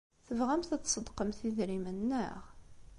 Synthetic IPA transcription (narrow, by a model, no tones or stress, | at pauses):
θəvʁæmθæt͡s̪ːsˤəd̪qəmθiðɾimənːə̰ʁ